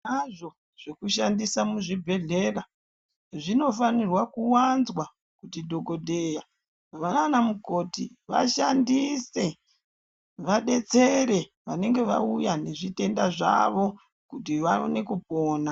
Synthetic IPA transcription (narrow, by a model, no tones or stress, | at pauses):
naʐo | ʐ̥e̞kuʃandisamuʐibʱe̞ɮe̞ra | ʐino̞fanirwakuwanzwa | kutidʱo̞ɡo̞dʱeːja | ʋananamuko̞tḭʋa̰ʃandise̞ | ʋaɗe̞t͡se̞ɾe̞ | ʋane̞ŋɡe̞ʋa̰ujane̞ʐite̞ndaʐa̰ʋo̞ | kutiʋao̰ne̞kup̚o̞ːna